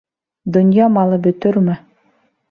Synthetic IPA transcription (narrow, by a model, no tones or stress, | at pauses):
d̪ŏnjɑmɑlˠɤbɵ̆t̪ɵɾmɘ